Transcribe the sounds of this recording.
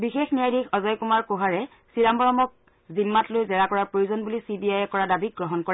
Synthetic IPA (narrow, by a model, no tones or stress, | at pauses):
bixexnijajdixɔzɔjkumaɹkoɦaɹɛ | siɹambɔɹɔmɔk̚ | zimːatlojzɛɹakɔɹaɹpɹojuzɔnbulisibiajɛkɔɹadabik̚ɡɹɔɦɔnkɔɹɛ